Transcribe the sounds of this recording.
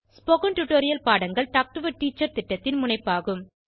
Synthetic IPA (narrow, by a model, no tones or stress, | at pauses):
spoɣɐnʈuʈoːɾɪjɐlpaːɽɐŋɡɐɭʈaːk̚ʈɯʋɐʈːiːt͡ʃːɐɾt̪ɪʈːɐt̪ːɪnmʊɳɐɪpːaːɣɯm